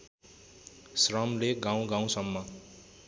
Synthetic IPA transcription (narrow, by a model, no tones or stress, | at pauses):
srʌmleɡãw̃ɡãw̃sʌmːʌ